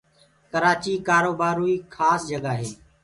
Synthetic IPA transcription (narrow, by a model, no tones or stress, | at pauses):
kəɾaːt͡ʃiːkaːɾoːbaːɾuːiːkʰaːsd͡ʒəɡaːɦeː